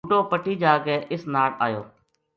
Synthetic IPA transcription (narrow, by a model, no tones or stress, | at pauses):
uːʈoːpəʈʰiːd͡ʒaːkeːʔɪsnaːɽa̰ːjo̰ː